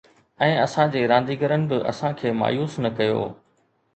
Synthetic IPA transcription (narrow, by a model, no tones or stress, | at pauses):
ɛ̃ːɐsãd͡ʑeːɾãːnd̪iːɡəɾənɪ̆bɪʔɐ̰sãkʰeːma̰ːjuːsnɐkɐjo̰ː